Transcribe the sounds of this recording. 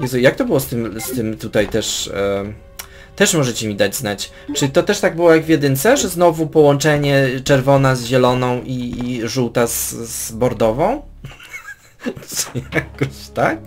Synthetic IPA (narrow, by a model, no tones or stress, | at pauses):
vɛzujak̚t̪ɔbɘwɔst̪ɘmst̪ɘmt̪ut̪ajt̪ɛʂ | t̪ɛʂmɔʐɛt͡ɕɛmʲid̪ad͡ʑznat͡ɕ | t͡ʂɘt̪ɔt̪ɛʂt̪aɡ̚bɘwɔjaɡvʲjɛd̪ɘnt̪sɛʐɛznɔvupɔwɔnt͡ʂɛɲɛt͡ʂɛɾvɔnazʑɛlɔnɔ̃w̃ʔiʐuwt̪azzbɔɾd̪ɔvɔ̃w̃ | jakɔɕt̪ak̚